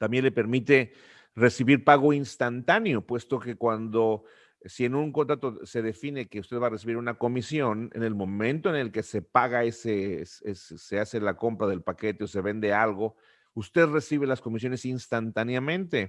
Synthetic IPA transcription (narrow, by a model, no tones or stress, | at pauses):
t̪ambje̞nle̞pe̞ɾmit̪e̞ | re̞siβiɾpaɣo̞inst̪ant̪anjo̞pwe̞st̪o̞ke̞kwand̪o̞ | sie̞nũŋko̞nt̪ɾat̪ose̞ðe̞fine̞ke̞ust̪eðβare̞siβiɾunako̞misjo̞nḛne̞lmõ̞mẽ̞nt̪o̞ene̞lke̞se̞paɣae̞sesesese̞ase̞lako̞mpɾaðe̞lpake̞t̪eose̞βe̞nd̪e̞alɣo̞ | ust̪e̞ðre̞siβe̞lasko̞mis̬jo̞ne̞sinst̪ant̪anjamẽnt̪e̞